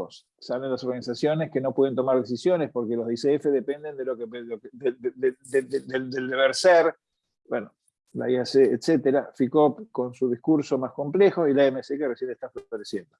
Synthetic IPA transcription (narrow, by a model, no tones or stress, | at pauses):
os | salenlasoɾɣanisasjo̞neskeno̞pweent̪o̞maɾðes̬isjo̞nespo̞ɾkelozðiseefeðepend̪e̞nd̪elokeloeed̪edd̪ed̪eld̪eβeɾseɾ | bweno | la̰iaseːt̪set̪eɾafikopko̞nsuðihkuɾso̞masko̞mplexoilaemesekeresjeneht̪afot̪alesjend̪o